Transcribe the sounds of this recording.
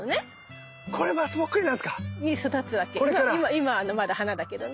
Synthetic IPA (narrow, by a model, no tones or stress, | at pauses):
one̞ | kʰoɾemat͡sɨmokːɯɾʲinãsɨ̥kaɲʲisɨd̪at͡sɨβake̞omaaɾaimaimaːnomad̪ahanad̪ake̞d̪one